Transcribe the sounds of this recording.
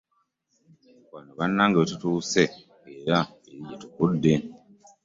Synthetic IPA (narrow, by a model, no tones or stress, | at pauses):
βanoβanːaːŋɡaβetutuːse̞ | eɾa | eɾiɟetukudːe